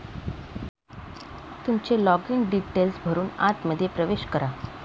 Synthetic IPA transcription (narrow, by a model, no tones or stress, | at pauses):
t̪umt͡ɕelɔɡiŋɡɖiʈelsbʱəɾuːnat̪məd̪ʱːjepɾəʋeɕkəɾa